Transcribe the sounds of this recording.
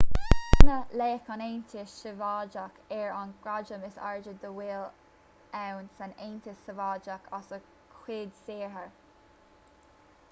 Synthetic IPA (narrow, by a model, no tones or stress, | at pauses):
nəleːkaneːnt̪ʰəʃəvɑːd͡ʒakʰɛɹanɡ̥ɹad͡ʒəmɪsa̰ɹd͡ʒəd̪əwiːl | ɛwnsaneːnt̪əsəvɑːd͡ʒakʰasə | kʰwɪːd̪seːɹɦəɹ